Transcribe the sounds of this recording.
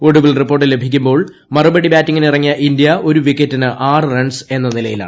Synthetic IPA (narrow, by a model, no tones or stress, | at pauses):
o̞ɽuʋilripːorʈːile̞bʱikʲːumbo̞ːɭ | mɐrubɐɽibaːtːiŋːinirɐŋːijɐʔindijɐʔo̞ɾuʋikːetːinɨʔaːrɨreɳɖse̞nːɐnilɐjila̰ːɳɨ